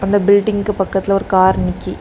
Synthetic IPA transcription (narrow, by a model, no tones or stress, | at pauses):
ɐnd̪ɐbɪlɖɪŋɡɯpɐkːɐt̪ːɪlɐɔɾɯkaːɾɳɪkːi